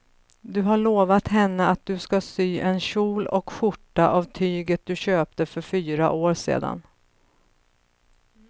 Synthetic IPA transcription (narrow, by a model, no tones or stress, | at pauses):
d̪ɵɦaɭoːvat̪ɦɛnːəat̪̚d̪ɵskasyːʔɛnɕuːlɔkɧʊʈːaʔavt̪ʰyːɡət̪̚d̪ɵɕøːp̚t̪əfœɾfyːɾa̰ʔoːɾsḛːd̪a̰n